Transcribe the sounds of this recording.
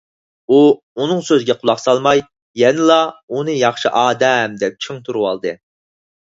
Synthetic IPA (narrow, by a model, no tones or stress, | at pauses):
u | unɨŋsøzɡʲɛqʰʊlˠɑχsɑlˠmɑj | jɛnɨlˠɑunɨjɑχʃiʔɑːd̪ɛmd̪ɛp̚t͡ʃʰiŋt̪ʰuɾuwɑ̰lˠd̪ɨ